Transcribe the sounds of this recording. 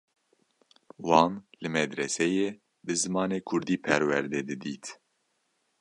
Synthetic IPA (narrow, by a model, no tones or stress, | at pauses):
wɑːnlɨmɛd̪ɾɛsɛjeː | bɨzɨmɑːneːkʰʊɾd̪iːpʰɛɾwɛɾd̪ɛːd̪ɨd̪iːt̪